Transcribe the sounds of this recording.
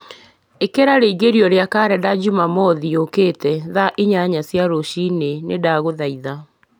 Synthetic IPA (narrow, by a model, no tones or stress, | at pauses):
ekeɾaɾeiɣeɾiɔɾeakaɾɛdad͡ʒumamɔðiokeːtɛðaʔiɲaɲasjaɾoɕinenedaɣoðaiða